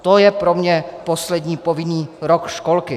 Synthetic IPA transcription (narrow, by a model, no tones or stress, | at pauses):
t̪ojɛpɾomɲɛposlɛd̪ɲiːpovɪniːɾokʃkolkɪ